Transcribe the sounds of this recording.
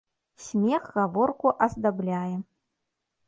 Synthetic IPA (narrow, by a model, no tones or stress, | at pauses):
sʲmʲɛɣɣavɔrkuʔɐzd̪ablʲajɛ